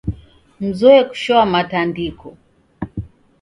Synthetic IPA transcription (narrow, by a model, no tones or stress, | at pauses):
m̩zɔɛku̥ʃɔamatandikɔ